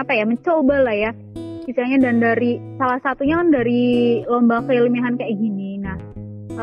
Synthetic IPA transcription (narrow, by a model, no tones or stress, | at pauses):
apajaməɲt͡ʃobalahja | b̥isalɲadandaɾisalahsat̪uɲakandaɾilombakəilimaɦankajaɡininah